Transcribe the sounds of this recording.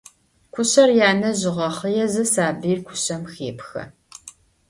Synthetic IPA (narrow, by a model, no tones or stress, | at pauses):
kʷʰʊɕɐrjaːnɐʑɪʁɐχəjɛzɐsaːbiːrkʷʰʊɕɐmxeːpxɐ̰